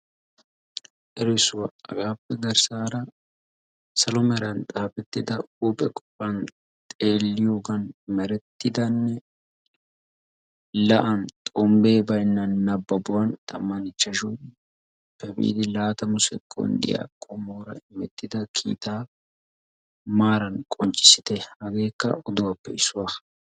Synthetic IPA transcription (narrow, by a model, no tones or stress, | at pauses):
ʔɛɾɛsʊwɐɐ̰ɡaːpːɛɡɐɾsaːɾɐ | sɐlɔmɛɾɐnt̪ʼaːpɛt̪ːɪd̪ɐuːpʼɛkʼɔ̥pːɐn | t̪ʼeːlːɪjoːɡɐnmɛɾɛt̪ːɪd̪ɐnːɛ | lɐʔɐnt̪ʼɔmbe̞ːbɐjnːɐnːɐbːɐbʊwɐnt̪ʼɐmːɐnɪt͡ʃːɐʒu | pːɛbḭːd̪ɪlaːt̪ɐmʊsɛkʼːɔ̰nd̪ɪ̰ja̰kʼːɔmoːɾɐ̰ɪmɛt̪ːɪd̪ɐkʰḭːt̪aː | maːɾɐnkʼɔnt͡ʃʼːɪ̥sɪ̥t̪ɛhɐɡe̞ːkːɐ̰ɔd̪ʊwɐpːɛɪsːʊwa